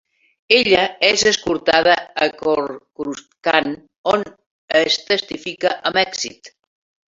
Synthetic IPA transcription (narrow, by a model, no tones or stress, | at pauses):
eʎəezəskuɾt̪aðaːkoɾkɾuskan | on | əst̪əst̪ifikaʔəmɛksḭt̪